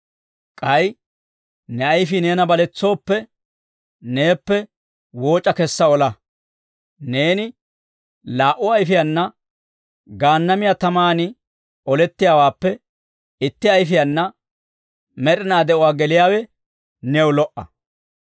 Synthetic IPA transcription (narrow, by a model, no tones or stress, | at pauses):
kʼɐj | nɛɐjfɪneːnɐbɐlɛt͡sːo̞ːpːɛ | neːpːɛ | wo̞ːt͡ʃʼːɐkɛsːɐɔlɐ | ne̞ːnɪ | laːʔʊɐjfɪjɐnːɐ | ɡaːnːɐmɪjat̪ɐmaːnɪ | ɔlɛt̪ːɪjaːwaːpːɛ | ɪt̪ːɪɐjfɪjɐnːɐ | mɛɗɪnaːd̪ɛʔʊwaːɡɛlɪjaːwɛ | nɛwlɔʔɐ̰